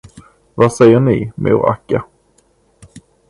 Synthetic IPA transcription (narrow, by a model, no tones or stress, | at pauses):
vasɛjːəɳɪmṵɾa̰kːa